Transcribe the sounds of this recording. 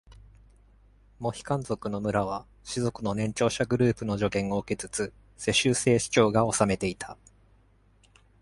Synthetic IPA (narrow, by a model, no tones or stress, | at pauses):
mo̞çi̥kãnzo̞kɯ̟no̞mɯ̟ɾaβ̞a | ɕizo̞kɯ̟no̞nẽ̞ɲ̟t͡ɕo̞ːɕaɡɯ̟ɾɯ̟ːpɯ̟no̞ʑo̞ɡẽ̞ŋ̃o̞ɯ̟ke̞t͡sɨ̥t͡sɨ | se̞ɕɨːse̞ːɕi̥t͡ɕo̞ːɡao̞same̞t̪e̞it̪ʰa